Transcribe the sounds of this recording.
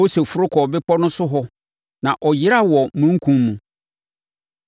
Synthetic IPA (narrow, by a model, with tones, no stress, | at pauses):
o˦se˨fʊ˦ɾʊ˦kʰɔː˨bɪ˦pɔ˦nʊ̃˦sʊ˦ɦɔ˦ | nã˨ʔɔ˨jɪ˦ɾa˦˨wɔ˨mũ˦ŋ̩˦kʰũ˦mːũ˨